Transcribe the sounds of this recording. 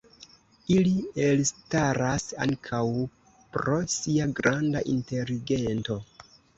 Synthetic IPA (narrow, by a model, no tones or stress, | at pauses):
ilielstaɾasa̰ŋkʰaw | pɾo̞siaɡɾandaʔinte̞liɡe̞nto̞